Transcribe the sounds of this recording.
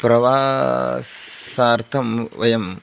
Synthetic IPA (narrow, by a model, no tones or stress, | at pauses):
pɾɐʋaː | saːɾt̪ʰɐmʋɐjɐm